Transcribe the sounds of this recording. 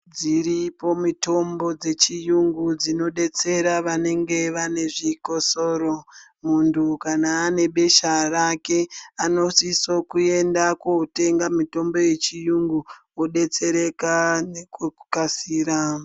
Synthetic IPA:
d͡ziɾipo̞mito̞mbo̞d͡ze̞t͡ʃijuŋɡud͡zino̞ɗe̞t͡se̞ɾaʋane̞ŋɡe̞ʋane̞ʐiko̞so̞ɾo̞ | muntʰukanaːne̞ɓe̞ʃarake̞ano̞siso̞kue̞ndakote̞ŋɡamito̞mbo̞je̞t͡ʃijuŋɡuoɗe̞t͡se̞ɾe̞kanekkukasiːɾa

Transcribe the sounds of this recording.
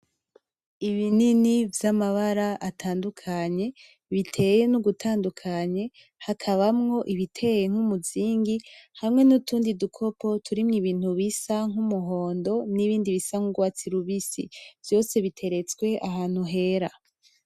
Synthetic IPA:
iβininivjamaβaɾaʔatʰaːndukʰaɲe̞ | βitʰe̞ːje̞nuɡutʰaːndukʰaɲe̞ | hakʰaβamŋo̞ʔiβitʰe̞je̞ŋ̥umuziːŋɡihamŋe̞nutʰuːndidukʰo̞pʰo̞tʰuɾimŋiβiːn̥huβisaŋ̥umuɦo̞ːndo̞niβiːndiβisaŋ̥huɡwat͡siɾuβisḭv̥jo̞ːse̞βitʰe̞ɾe̞t͡skwe̞ʔaɦaːn̥huɦe̞ːɾa

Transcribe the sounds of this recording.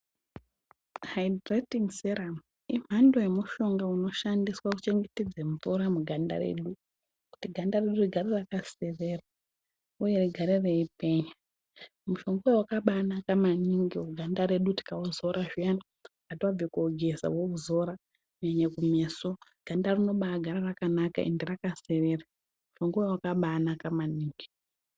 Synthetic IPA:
hajdretiŋseɾam | im̤ando̞jemuʃo̞ŋɡauno̞ʃandiswakut͡ʃe̞ŋɡeted͡zeɱvuɾamuɡʱanda̰ɾḛɗu | ku̥tiɡʱandareɗuriɡʱaɾerakase̞ʋe̞ra | uje̞riɡʱaɾereipe̞ɲa | muʃo̞ŋɡowewakaɓaːnakamaniŋɡiuɡʱandaɾe̞ɗuti̥kauzo̞ɾaʐiani | katiwab͡vekuoɡʱe̞za̰wouzo̞ɾa | ɲɲeɲekumesoɡ̥ʱandarino̞ɓaɡʱaɾarakanaka̰ʔḛndirakase̞ʋera | muʃo̞ŋɡowewakaɓanakamaniːŋɡi

